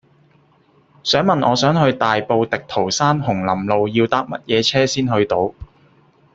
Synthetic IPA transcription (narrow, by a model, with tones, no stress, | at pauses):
sœː˨˥ŋmɐ˨nʔɔː˨˧sœː˨˥ŋɦɵ˧ɥt̪aː˨jpo˧wt̪ɪ˨k̚t̪ʰo˨˩wsaː˥nɦʊ˨˩ŋlɐ˨˩mlo˨˧wjiː˧wt̪aː˨˥k̚mɐ˥t̚jɛː˨˧t͡sʰɛː˥siː˥nɦɵ˧ɥt̪o˨˧w